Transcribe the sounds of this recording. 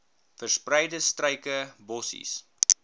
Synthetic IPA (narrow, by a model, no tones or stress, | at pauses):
fərsprəjdəstrəjkəbɔsḭs